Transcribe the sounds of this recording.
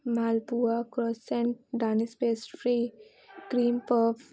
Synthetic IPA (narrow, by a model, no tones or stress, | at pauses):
maːlpuakɾɔːsẽɳʈɖaːnispeːsʈfɾiː | kɾiːmpəf